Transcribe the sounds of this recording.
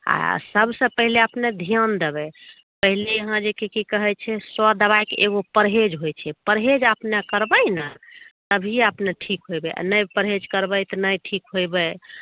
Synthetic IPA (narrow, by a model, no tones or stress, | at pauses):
a̰səbʱsə̃pəɦileəpned̪ʱijənd̪ebɛ | pəɦileəɦãd͡ʒekekikəɦɛt͡ʃʰɛswəd̪əβajkeʔeɡopəɾɦed͡ʒɦojt͡ʃʰɛpəɾɦed͡ʒəpnəkəɾbəjnət̪əbʱiəpneʈʰikɦojbɛʔa̰nəjpəɾɦed͡ʒkəɾbəjt̪ənəjʈʰikɦojbə